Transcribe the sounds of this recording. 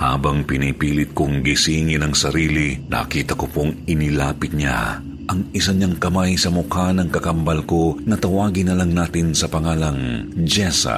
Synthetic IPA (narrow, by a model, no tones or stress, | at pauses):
ha̰ːbɐŋpɪnipiːlɪt̪̚kʊŋɡɪsiːŋɪnɐŋsɐɾiːlinʔɐ̰kiːt̪ɐkopoŋɪnɪlaːpɪt̪̚ɲa̰ | ʔɐŋɪsaɲaŋkɐmajsɐmʊkanɐŋkɐkɐmbɐlko̞nɐt̪ɐwaːɡɪnɐlɐŋnaːt̪ɪnsɐpɐŋaːlɐŋd͡ʒɛsɐ̰